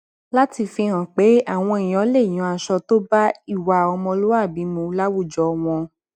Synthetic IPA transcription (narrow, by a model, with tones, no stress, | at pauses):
la˦ti˧fi˧hã˨k͡pe˨˦a˦˨w̃ɔ̃˧i˨j̃ɔ̃˨˦le˦˨j̃ɔ̃˨˦a˧˨ʃɔ˧to˦ba˦i˦˨wa˨ɔ˧mɔ̃˧lo˦wa˦˨bi˨˦mũ˧˦la˦wu˦˨d͡ʒɔ˧˦˧w̃ɔ̃˧